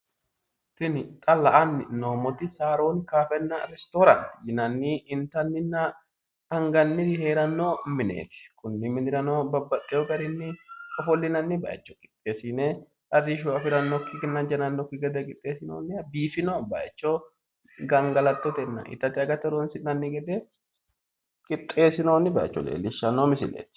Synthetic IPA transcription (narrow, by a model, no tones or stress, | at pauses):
sɪnɪt̪ʼɐlɐʔɐnːɪnoːmɔt̪ɪsaːɾoːnkaːfɛnːɐɾɛst̪oːɾɐnjɪnɐnːiɪnt̪ɐnːɪnːɐ | ɐŋɡɐnːɪhe̞ːɾɐnːoːmɪnḛːt̪ɪ̥kʊnːɪmɪnɪɾɐnoːbɐbːɐt̪ʼːɛjɔɡɐɾɪnːɪɔfɔlːɪnɐnːɪbɐ̰ːʔɛ̰t͡ʃːɔ̥kʼɪ̥t̪ʼːeːsineː | ʔɐrːɪʃ̬uɐfɪɾɐnːɔkːɪɡɛnːɐd͡ʒɐnɐnːɔkːɪɡɐd̪ɛkʼɪt̪ʼːeːsɪno̰ːnːɪbiːfɪnoːba̰ːjɛt͡ʃːo | ɡɐŋɡɐlɐt̪ːɔt̪ɛnːɐ̰ʔɪ̰t̪ːɐt̪ɪɐɡɐt̪ːɐɾonsɪnɐnːɪɡɛd̪e | kʼɪt̪ʼːe̞ːsɪnoːnːɪbaːɛ̰t͡ʃːɔ̰lḛːlːɪʃːɐnːoːmɪsɪ̰lḛːt̪